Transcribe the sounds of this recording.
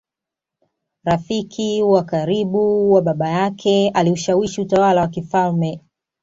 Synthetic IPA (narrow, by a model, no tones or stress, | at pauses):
ɾafikʰiwakaɾiɓuwaɓaɓajakʰɛaliuʃawiʃiutawalawakifalmɛ